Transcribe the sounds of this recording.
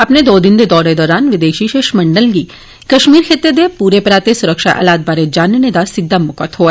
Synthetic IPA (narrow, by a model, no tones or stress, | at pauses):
ɐpned̪oːd̪ɪnd̪ed̪ɔːɾed̪ɔːɾaːnʋɪd̪eːʃiʃeːʃmɐ̃ɳɖəlɡi | kɐʃmiːɾkʰet̪ːed̪epuːɾepɾaːt̪esʊɾəkʃa̰ʔɐ̰laːt̪̚baːɾed͡ʒaːnəned̪asɪɡ̪d̪ːamʊkət̪ɦoːɛ